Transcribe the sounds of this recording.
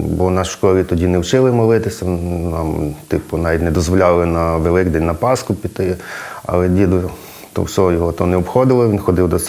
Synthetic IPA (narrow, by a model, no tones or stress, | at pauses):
bɔnɑʃkɔɾʲit̪ɔdʲinɛwt͡ʃɪlˠɪmɔlˠɪt̪ɪsʲɐnɑmt̪ɪpʊnɑʋʲitʲnɛd̪ɔzʋɔlʲɑlˠɪnɐʋelˠɪkd̪ɛnʲnɐpɑskʊpʲit̪ɪɐ̰lˠɛdʲid̪ʊ | t̪ɔ̰wsʲɔɦɔjɔɦɔt̪ɔnɛɔpxɔd̪ɪlˠɪʋinxɔd̪ɪwd̪ɔs